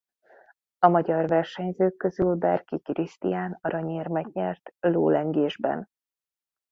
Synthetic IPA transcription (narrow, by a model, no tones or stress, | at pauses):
ɒmɒɟɒrvɛrʃɛɲzøːkːø̞zylbɛrkikrist̪ḭjaːnɒɾɒɲeːrmɛɡɲɛrt̪lo̰ːlɛŋɡeːʒbɛ̰n